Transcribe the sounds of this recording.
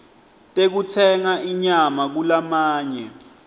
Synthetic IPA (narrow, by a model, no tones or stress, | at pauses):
tʼek̬utʰɛŋaʔiɲamak̬ulamaːɲɛ